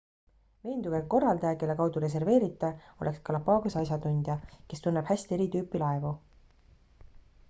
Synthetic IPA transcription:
ve̞ːnd̪uɡekːo̞rːɑld̪ɑjɑke̞lːe̞kɑwd̪̥uɾe̞s̬e̞rve̞ːɾit̪ːˑeo̞lʔe̞kskɑlɑpɑːɡusɑjs̬jɑt̪unʲd̪̥jɑke̞st̪unːeb̥hæsʲt̪ie̞ɾit̪yːpːˑilɑevu

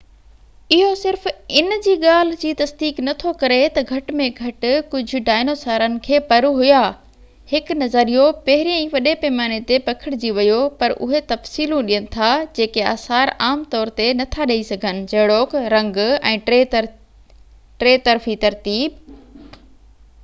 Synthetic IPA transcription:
ɪɦosɪɾfɪnd͡ʑiːɠaːl̤ɪd͡ʑiːt̪ɐsd̪iːknɐt̪ʰokɐɾet̪ɐɡʱɐʈmẽɡʱɐʈkʊd͡ʑʱʊ̆ɖaːɪnoːsaːɾənɪ̆kʰeːpɐɾuɦʊja | hɪknɐzəɾijopɐɦɪɾijə̃ĩʋɐɗepeːmaːnet̪epɐkʰɪɽɪd͡ʑiʋɐjopɐɾʔʊ̰ɦet̪ɐfsiːlũɗijənɪ̆t̪ʰad͡ʑeːkea̰ːsaːɾaːmt̪ɔːɾt̪enɐt̪ʰaɗɐisɐɡʱənɪ̆d͡ʑɐɦɪɽoːkɾɐ̃ŋɡɛ̃ːe | ʈɾeːt̪ɐɾfit̪ɐɾt̪iːb̚

